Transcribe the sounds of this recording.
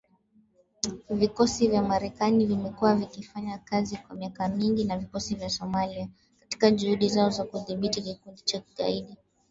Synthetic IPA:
vikɔsivjamaɾɛkanivimɛkuwavikifaɲakazikwamiakamiŋɡinavikɔsivjasɔmalia | kati̥kaʄuhuɗizaɔzakuðiɓitikikundit͡ʃaki̥ɡa̰iɗi

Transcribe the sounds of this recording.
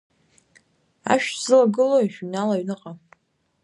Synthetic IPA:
a̰ʃᶣz̥ɨlaɡɨlojʃᶣinalaɥnɨqʼa

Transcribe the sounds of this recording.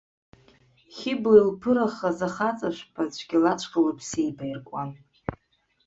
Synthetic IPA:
χʲɪblilpʰɨɾaχazaχat͡sʼaʃʷpʰat͡ɕʷʰʼɡʲɪlat͡ʃʷʰqʼalapʰsejbajrkʷʼan

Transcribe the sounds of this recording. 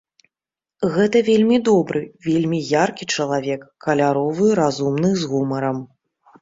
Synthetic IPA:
ɣɛt̪ɐvʲelʲmʲid̪ɔbɾɨvʲelʲmʲijarkʲit͡ʂɐlˠavʲɛkːɐlʲaɾɔvɨɾazumnɨzɣumɐɾɐm

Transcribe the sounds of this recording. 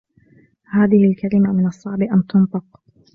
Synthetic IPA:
haːðɪhɪlkalɪmamɪnɑsˤːɑʕbɪʔant̪ʊnt̪ˤɨq

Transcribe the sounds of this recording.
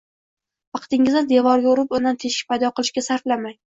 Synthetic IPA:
vɑqt̪ɪŋɪzɪnd̪e̞vɒɾɡʲaʊɾɪpʊnd̪ant̪ʰe̞ʃɪ̥pʰajd̪ɒqʰɨlˠɪʃkʲasaɾflamaj

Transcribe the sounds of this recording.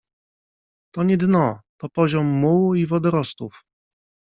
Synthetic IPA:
t̪ɔɲɛd̪nɔt̪ɔpɔʑɔmːuivɔd̪ɛɾɔst̪uf

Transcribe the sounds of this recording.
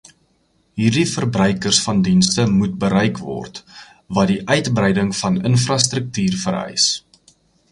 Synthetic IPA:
ɦiːrdifərbrœjkərsfɐndinstəmut̚bəɾɛjkvɔ̰rt | vɐdiʔœɥtbrɛjdəŋfɐnənfrɐstɾək̚tyːrfəɾœ̰js

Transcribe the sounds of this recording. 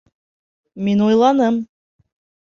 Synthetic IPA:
minujlˠɑnɤm

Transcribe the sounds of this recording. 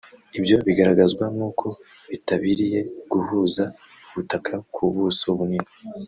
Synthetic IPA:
ibjo̞βiɡaɾaɡazɡwamukʰo̞ | βitaβiɾije̞ɡ̥uhuːza | uβutakʰakʰuβuːsoβunina

